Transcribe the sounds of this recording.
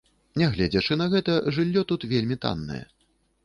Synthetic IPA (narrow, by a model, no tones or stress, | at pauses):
nʲɛɣlʲɛd͡zʲɛʂɨnɐɣɛt̪ɐʐɨlʲːɔt̪ut̪vʲelʲmʲit̪a̰nːɐ̰jɛ̰